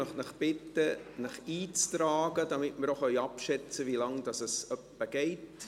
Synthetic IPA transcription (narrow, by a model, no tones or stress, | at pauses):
œχtnəχb̥ɪtːənəχiːt͡st̪ɾɑːɡ̥ədɑmɪtmɪɾoχœʏɑpʃɛt͡səʋilɑŋd̥ɑsəsœpːəɡ̥ɛɪt